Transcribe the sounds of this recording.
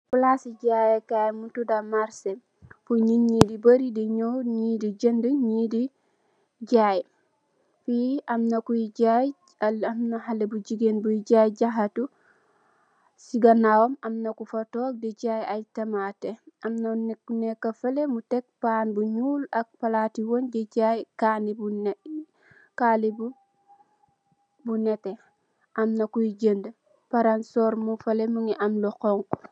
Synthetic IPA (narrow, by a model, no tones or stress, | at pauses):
fulasiɟajɛkajmutudamaɾse | fuɲiɲidibaɾidiɲɔɲidid͡ʒəndəɲidi | ɟaj | fiamnakuiɟaj | amnaɦalebud͡ʒiɡenbuɟajɟaɦatu | siɡanawɔmamnakufatɔːk̚det͡ʃajajtɐmateʔɐmnɐnkunekːɐfɐlemutek̚paːnbuɲuːlɐk̚pɐlaːtiwonɟeɟajkaːnibun | kaːlibu | bunete | ʔɐmnɐkujiɟəndə | paɾansɔːɾmufɐlemuŋiʔɐmlokɔŋk